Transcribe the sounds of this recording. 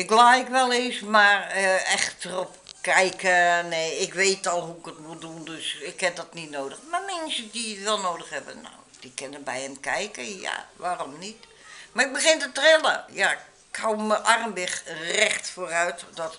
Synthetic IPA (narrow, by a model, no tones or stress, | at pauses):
ɪkblaːɪkʋɛlˠeːsmarəɛxtərɔpkɛjkəneːɪkʋeːtɔlˠɦuɪkətmudundøsɪkhɛp̚dɔtnitnoːdəxmamɛnsədiʋɛlˠnoːdəxhɛbə̰no̰wd̥ikɪnənbɛjɛmkɛjkəja̰ʋaːrɔmnit | marɪk̚bəxɪntətrɪlˠəja | kʰːoːmməʔarmbɪxrɛxtfoːrœɥtdɔt